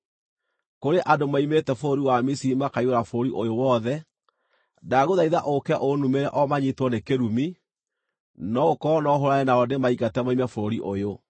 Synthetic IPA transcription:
koɾeʔadomaimetɛfoɾoɾiwamisiimakaioɾafoɾoɾiʔojowɔðɛ | daɣoðaiðaʔokɛʔonumeɾɛʔɔmaɲitwɔnekeɾumi | nɔokɔnɔɦoɾaɛnaɔdemaiɣatɛmaimɛfoɾoɾiʔojo

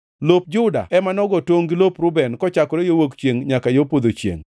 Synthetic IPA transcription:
lop̚d͡ʒʊda̰ɛmanɔɡɔtwoŋɡilopɾʊbɛnkɔt͡ʃakɔɾejowokt͡ʃjeŋɲakajopod̪ot͡ʃjḛŋ

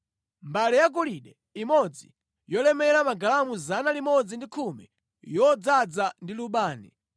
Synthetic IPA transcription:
mbalɛjakuliɗɛ | imɔd͡zḭ | jɔlɛmɛɾamaɡalamuzanalimɔd͡zindikʰumɛ̰ | jɔd͡zad͡zandiluɓaːnɛ̰

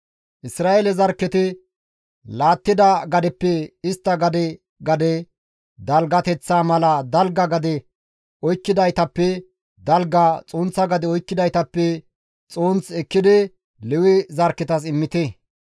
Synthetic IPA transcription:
ʔɪsɾaːʔelɛzɐɾkːɛt̪ɪ | laːt̪ːɪd̪ɐɡɐd̪ɛpːɛɪst̪ːɐɡɐd̪ɛ | ɡɐd̪ɛ | d̪ɐlɡɐt̪ɛt͡sːaːmɐlɐd̪ɐlɡɐɡɐd̪ɛ | ɔjkːɪd̪ɐjt̪ɐpːɛ | d̪ɐlɡɐt͡sʼoːnt͡sːɐɡɐd̪ɛɔjkːɪd̪ɐjt̪ɐpːɛ | t͡sʼoːnt͡sɛkːɪd̪ɪ | lɛwɪzɐɾkːɛt̪ɐs̬ɪmːɪt̪ɛ

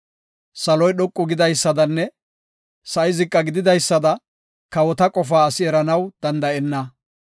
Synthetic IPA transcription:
sɐlɔjɗɔkʼːʊɡɪd̪ɐjsːɐd̪ɐnːɛ | sɐɪzɪkʼːɐɡɪd̪ɪd̪ɐjsːɐd̪ɐ | kɐwɔt̪ɐkʼɔfaːɐsɪɛɾɐnɐwd̪̥ɐnd̪ɐɛnːɐ

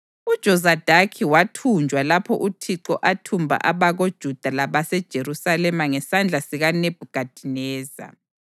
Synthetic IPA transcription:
ud̥ʒ̥ʱɔzad̥ʱakʰiwatʰund͡ʒʱwalapʰɔ̰ʔutʰiǃɔʔatʰumbʱa̰ʔaβaɣod̥ʒ̥ʱud̥ʱalaβasɛd̥ʒ̥ʱeɾusalɛmaŋɛsand͡ɮʱasiɣaneb̥ʱuɡ̥ʱad̥ʱinɛːza̰

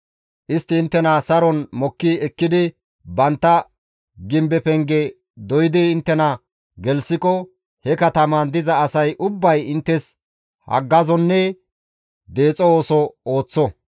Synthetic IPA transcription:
ʔɪst̪ːɪːnt̪ːɛnɐsɐɾɔnmɔkːɪɛkːɪd̪ɪ | bɐnt̪ːɐ | ɡɪmbɛpɛŋɡɛ | d̪ɔjɪd̪ɪːnt̪ːɛnɐ | ɡɛlsɪkɔ | hɛkɐt̪ɐmɐnd̪ɪzɐːsɐjʔʊbːɐjɪnt̪ːɛs | hɐ̰ɡːɐzɔnːɛ | d̪e̞ːt͡sʼɔoːsɔoːt͡sːɔ

